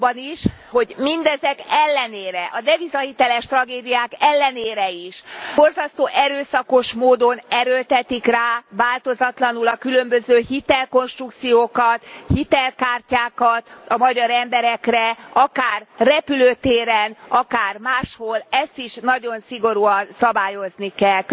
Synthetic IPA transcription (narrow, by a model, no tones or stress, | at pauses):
bniʃho̞ɟmind̪ɛzɛkɛlːɛneːɾɛʔɒd̪ɛvizɒhit̪ɛlɛʃt̪rɒɡeːd̪ijaːkɛlːɛneːɾɛiʃorzɒst̪oːʔɛɾøːsɒko̞ʃmoːd̪o̞nɛɾølt̪ɛt̪ikraːvaːlt̪o̞zɒt̪lɒnulɒkylømbøzøːhit̪ɛlko̞nʃt̪rukt̪sijoːkɒt̪hit̪ɛlkaːrcaːkɒt̪ɒmɒɟɒɾɛmbɛɾɛkrɛɒkaːrːɛpyløːt̪eːɾɛnɒkaːrmaːʃho̞lɛst̪iʃnɒɟo̞nsiɡo̞ɾuɒnsɒbaːjo̞znikɛlk